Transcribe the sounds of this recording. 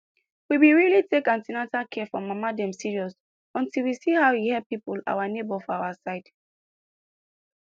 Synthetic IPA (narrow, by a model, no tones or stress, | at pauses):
wiwiɹilitekãntinatakʰɛfɹɔ̃mamadɛ̃msiɹiɔs | ɔ̃ntilwisihaʊwihɛpipula̰wanebɔfɔawasaɪd